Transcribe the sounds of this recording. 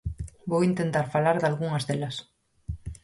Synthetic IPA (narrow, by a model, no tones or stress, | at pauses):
bowint̪ent̪aɾfalaɾðalɣuŋazðelas